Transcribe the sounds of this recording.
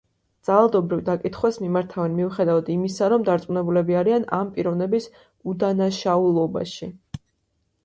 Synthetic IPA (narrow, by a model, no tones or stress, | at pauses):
d̪z̥alˠad̪ɔbɾivd̪akʼit̪ʰχwasmimaɾt̪ʰavɛnmiuχɛd̪avad̪imisaɾɔmd̪aɾt̪sʼmunɛbulɛbiaɾianampʼiɾɔvnɛbis | ud̪anaʃaulˠɔba̰ʃi